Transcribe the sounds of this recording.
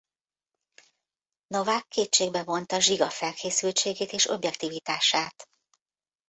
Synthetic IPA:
no̞vaːkʰːeːt͡ʃːeːɡbɛvo̞nt̪ɒʒiɡɒfɛlkʰeːsylt͡ʃeːɡeːt̪eːʃo̞̰bjɛk̚t̪iːvit̪aːʃaːt̪

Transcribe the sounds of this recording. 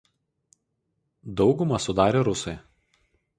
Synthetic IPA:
d̪ɒʊɡʊmɐsʊd̪ɑːɾʲeːɾʊsɔj

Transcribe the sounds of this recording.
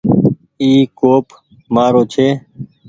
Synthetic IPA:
iːkoːp | maːɾoːt͡ʃʰeː

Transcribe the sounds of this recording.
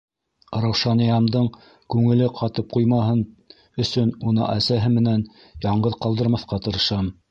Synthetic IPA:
ɾɑwʃɑnĭjɑmd̪ɤɴ | kʉŋɘ̆lɘqʰɑt̪ɤp̚qujmɑɦɤn | ɵ̆sɵnunɤ̰ʔæsæɦɘmɘ̆næn | jɑɴɢɤðqɑlˠd̪ɤ̆ɾmɑθqɑt̪ɤ̆ɾɤ̆ʃɑm

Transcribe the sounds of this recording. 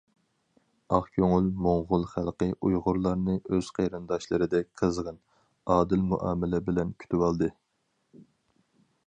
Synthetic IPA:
ɑχkʲʰøŋylmoŋʁʊlˠχælˠqəʔujʁʊɾlˠɑɾnɨʔøz̥qʰejɾɨnd̪ɑʃlˠɨɾɨd̪ɛk̚ʲqʰəzʁən | ɑːd̪ɪlmuʔɑːmɪlɛbɪlɛnkʲʰy̥t̪ʰywɑlˠd̪ɨ

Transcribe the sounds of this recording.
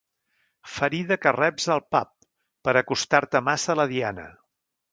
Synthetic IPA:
fəɾiðəkərɛbzəlˠpa̰p̚ː | əɾəkust̪aɾt̪əmasələðianə̰

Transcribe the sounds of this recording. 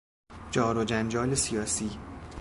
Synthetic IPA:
d͡ʒɒːɾod͡ʒænd͡ʒɒːlesijɒːsiː

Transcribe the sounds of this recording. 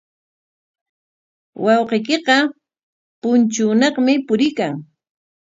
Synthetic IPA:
wɑwqejkeqɑ | pʊnt͡ʃʊːnɑqmɪpʊɾɪkaŋ

